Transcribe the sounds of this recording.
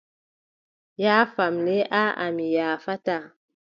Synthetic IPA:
jafamneʔaʔa̰mijaːfata

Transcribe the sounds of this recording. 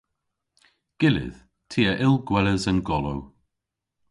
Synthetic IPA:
ɡ̥ɪlɪ̰ð̥ | tʰiːəʔɪlˠɡwɛləzənɡɔlo̰w

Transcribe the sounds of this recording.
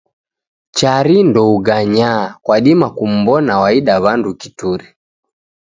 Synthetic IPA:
t͡ʃaɾindɔuɡaɲakwaɗimakum̩bɔnawaiɗaβandukituɾi

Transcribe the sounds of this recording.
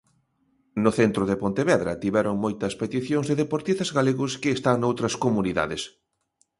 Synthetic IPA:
nʊθent̪ɾoðepont̪eβɛðɾɐ̰t̪iβɛɾoŋmojt̪ɐspet̪iθjõŋzðeðepoɾt̪ist̪ɐzɣaleɣʊskɪːst̪aŋnowt̪ɾɐskomuniða̰ðɪs

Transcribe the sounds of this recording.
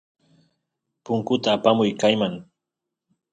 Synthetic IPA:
pʊŋkʊt̪aːpamʊjkajmaŋ

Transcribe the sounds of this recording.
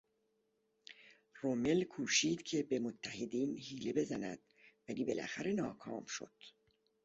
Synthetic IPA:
rome̞lkʰuːʃiːd̪̥cʰe̞be̞mot̪ʰːæhed̪iːnhiːle̞be̞zænæ̰d̪̥ | væliːbe̞̰lʔæ̰xæɾe̞nɒːkʰɒ̰ːmʃo̞̰d̪̥

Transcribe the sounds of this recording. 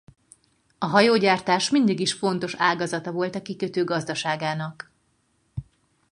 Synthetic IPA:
ɒɦɒjoːɟaːrt̪aːʃmind̪iɡiʃfo̞n̪t̪o̞ʃaːɡɒzɒt̪ɒvo̞lt̪ɒkikøt̪øːɡɒzd̪ɒʃaːɡaːnɒk

